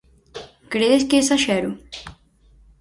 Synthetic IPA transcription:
kɾeðeskesɐʃɛɾu

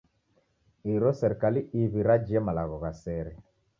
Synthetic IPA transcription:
iɾɔsɛɾɛkaliiβiɾad͡ʒiɛmalaɣɔɣasɛɾɛ

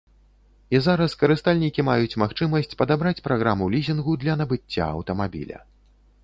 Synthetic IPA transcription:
izaɾɐskɐɾɨst̪alʲnʲikʲimajut͡sʲmaxt͡ʂɨmɐsʲt͡sʲpɐd̪abɾat͡sʲpɾaɣɾamulʲizʲinɣud̪lʲɐnɐbɨt͡sʲːa̰ɐ̰wt̪ɐmabʲḭlʲɐ̰

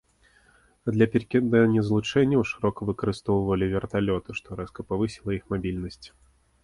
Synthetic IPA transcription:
ɐd̪lʲɐpʲirkʲɛd̪ɐnʲɛzlˠut͡ʂɛnʲːɐwʂɨɾɔkɐvɨkɐɾɨst̪ɔwvɐlʲivʲɛrt̪alʲɔt̪ɨʂt̪ɔɾɛskɐpavɨsʲilˠɐixmabʲilʲnɐsʲt͡sʲ

